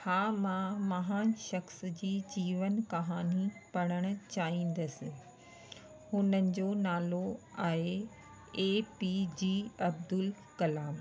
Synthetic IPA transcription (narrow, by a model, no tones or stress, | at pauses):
haːmãmɐɦãːnʃɐxsd͡ʑiːd͡ʑiːʋənkɐɦaːnipɐɽ̃əɽ̃ʊ̆t͡ɕaːɦĩːn̆d̪əsɪ̆ | hʊnənɪ̆d͡ʑoːnaːloaːɦe | eːpid͡ʑiːɐb̚d̪ʊl | kɐlaːm